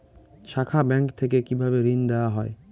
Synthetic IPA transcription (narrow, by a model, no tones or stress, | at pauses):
ʃakʰabɛŋkt̪ʰek̬ekibʱabeɾind̪ɛoaɦɔe